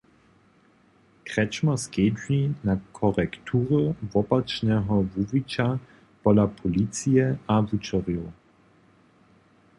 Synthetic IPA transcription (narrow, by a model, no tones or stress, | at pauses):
kʁ̥ɛt͡ʃmɐskeːdlinakʰɔʁɛktʰuːʁəvɔpat͡ʃnɛɦɔvuvit͡ʃa | pɔlapʰɔlit͡sijɛavut͡ʃɔʁjo